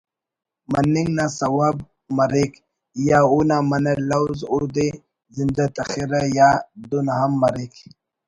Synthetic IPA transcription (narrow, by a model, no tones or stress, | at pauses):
manːiŋɡnasawab̚ | maɾik | jaunamanaɾlawzud̪e | zind̪at̪axiɾajad̪unaɦamːaɾik